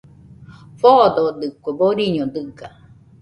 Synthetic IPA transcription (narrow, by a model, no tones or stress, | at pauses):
fod̪od̪ɨkʷeboɾiɲõd̪ɨɡa